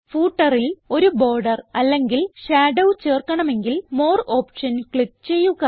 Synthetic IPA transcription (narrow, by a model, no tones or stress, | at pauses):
fuːʈːɐrilo̞ɾubo̞ːrɖɐrɐlːe̞ŋɡilɕaːɖɐwt͡ɕe̞ːrkɐɳɐme̞ŋɡilmo̞ːro̞ːpʂɐnkɭip̚t͡ɕe̞jːuɣɐ